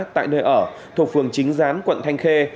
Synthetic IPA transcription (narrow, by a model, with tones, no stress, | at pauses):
t̪a̰ː˧˨jnəː˧jʔəː˧˩ | t̪ʰu˨˩k̚fɨ˨˩əŋt͡ɕï˨˦ŋ̟zaː˨˦nkwə̰˧˨nt̪ʰa˧jŋ̟xe˧